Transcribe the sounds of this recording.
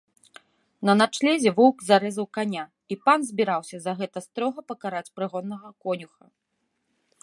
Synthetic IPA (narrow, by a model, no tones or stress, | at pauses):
nɐnat͡ʂlʲɛzʲɛvɔwkzaɾɛzɐwkanʲa | ipanzʲbʲiɾawsʲɐzɐɣɛt̪ɐst̪ɾɔɣɐpɐkaɾat͡sʲpɾɨɣɔnːɐɣɐkɔnʲuxɐ